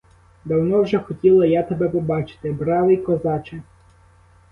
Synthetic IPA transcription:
d̪ɐwnɔwʒɛxɔtʲilˠɐjat̪ɐbɛpɔbɑt͡ʃɪ̥t̪ɪbɾɑʋˠɪjkɔzɑt͡ʃɪ

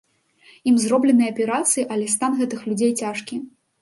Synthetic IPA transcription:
imzrɔblʲɛnɨjɐpʲɛɾat̪sɨjiʔɐlʲɛst̪anɣɛt̪ɨxlʲud͡zʲejt͡sʲaʂkʲi

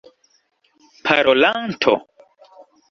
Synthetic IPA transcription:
pʰaɾolantʰo̰

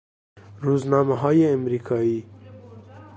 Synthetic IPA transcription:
ɾuznɑmaɦɑːjeamɾikʰɑi

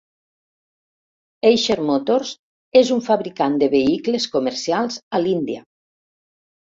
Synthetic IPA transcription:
ejʃeɾmot̪oɾs | ezuɱfaβɾikand̪eβeikleskomeɾsialˠzalind̪ia

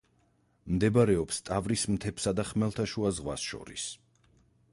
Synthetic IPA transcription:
md̪ɛbɾɛɔpst̪ʼavɾismt̪ʰɛpsad̪aχmɛlˠt̪ʰaʃuazʁwa̰sʃɔ̰ɾḭs

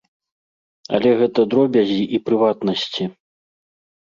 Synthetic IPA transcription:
ɐ̰lʲɛɣɛt̪ɐd̪ɾɔbʲɐzʲiʔipɾɨvat̪nɐsʲt͡sʲi

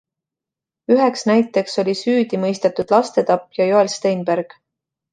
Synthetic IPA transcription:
yɦeksnæjt̪ːˑe̞kso̞lʲisyːd̪̥imɤjst̪et̪ːud̪̥lɑst̪e̞t̪ɑpːjɑjoelst̪ejnb̥eɾɡ̥

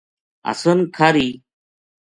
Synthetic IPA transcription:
ɐ̰sənkʰaɾiː

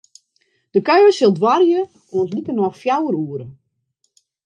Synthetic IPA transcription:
d̥əkœɥəsɪlˠdwarjə | ɔənslikənɔfjawəɾuːəɾə

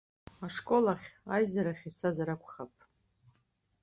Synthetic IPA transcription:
aʂkʼo̞laχʲajzaɾaχʲit͡sʰazaɾakʷʰʼχapʼ

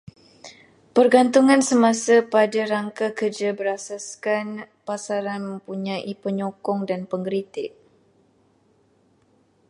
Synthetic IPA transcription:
pərɡant̪uŋãnsəmãsapadaɾaŋkakərd͡ʒabəɾasaskan | pasaɾanmə̃mpuɲãʔipəɲɔkɔŋdanpəŋɡɾit̪ɪʔ̚

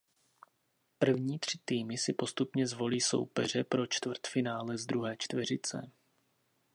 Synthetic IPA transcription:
pr̩vɲiːt̪r̝̥ɪt̪iːmɪsɪpo̞st̪upɲɛzvo̞liːso̞̰wpɛr̝ɛpɾo̞t͡ʃt̪vrt̪fɪnaːlɛzd̪ɾuɦɛːt͡ʃt̪vɛr̝ɪt͡sɛ̰

